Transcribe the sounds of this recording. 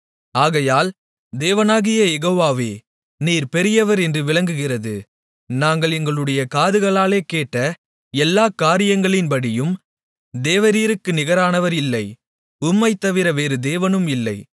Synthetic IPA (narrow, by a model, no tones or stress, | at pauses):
aːɣɐjaːl | d̪eːʋɐnaːɣɪjɐjɛɣoːʋaːʋeː | niːɾpɛɾɪjɐʋɐɾɛndrɯʋɪɭɐŋɡɯɣɪrɐðɯ̰ | naːŋɡɐɭɛŋɡɐɭɯɽɐjɐkaːðɯɣɐɭaːleːkeːʈːɐ | ɛlːaːkaːɾɪjɐŋɡɐɭɪnpɐɽɪjɯm | d̪eːʋɐɾiːɾɯkːɯnɪɣɐɾaːnɐʋɐɾɪlːɐɪ | ʊmːɐɪt̪ːɐʋɪɾɐʋeːɾɯd̪eːʋɐnɯmɪlːɐɪ